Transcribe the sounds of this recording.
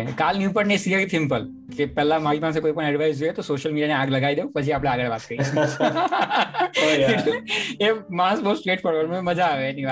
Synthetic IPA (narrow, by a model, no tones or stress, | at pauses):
kalnjũpəɽnesiəitʰimpəl | kepɛlamaipãs̬ẽkoipəɳ̃ɛɖʋajzujet̪osoɕəlmiɖijaneaɡləɡaid̪epəd͡ʑiapljaaɡəɭʋat̪kəɾi | ɦemãsbəut̪sʈɾeːʈpəɽʋəlməməd͡zʱaːʋeniʋ